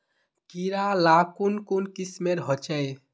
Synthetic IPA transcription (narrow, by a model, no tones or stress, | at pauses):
kiɾalakunkunkismeɾɦɔt͡ʃəj